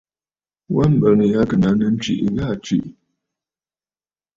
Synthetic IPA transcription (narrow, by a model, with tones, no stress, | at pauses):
wa˦m̩˨bə˨nə˨ja˦kə˨na˨˦nə˦n̩˦t͡ʃḭ˨ʔɣa˦˨t͡ʃḭ˨ʔ